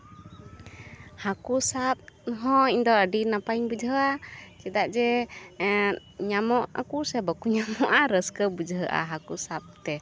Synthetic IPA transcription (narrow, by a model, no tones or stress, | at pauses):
hakusap̚ɦɔ̃iɲd̪ɔəɖinapajɲbud͡ʒɦəʔat͡ʃɛd̪aʔd͡ʒɛ | ɲamɔʔa̰kusɛbəkuɲamɔʔaɾəskəbud͡ʒɦəʔa̰ɦakusap̚t̪ɛ